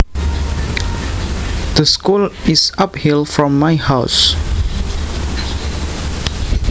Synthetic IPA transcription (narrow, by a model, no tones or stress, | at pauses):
d̪̥əskulisaphilfɹɔ̃mːaɪhaʊs